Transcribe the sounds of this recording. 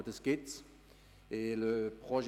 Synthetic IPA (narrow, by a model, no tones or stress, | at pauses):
t̪əskɪt̪ | eləpχɔʒ